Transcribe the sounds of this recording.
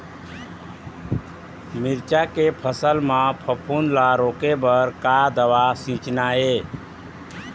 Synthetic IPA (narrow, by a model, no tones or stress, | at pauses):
miɾt͡ʃakepʰəsəlmãpʰəpʰunlaɾokebəɾkad̪əʋasĩt͡ʃnae